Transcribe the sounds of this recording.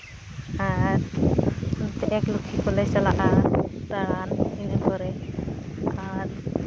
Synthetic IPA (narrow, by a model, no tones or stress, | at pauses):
aɾ | tɛʔɛklukʰikɔlɛsalaʔataaninɛbɔɾɛ | aɾ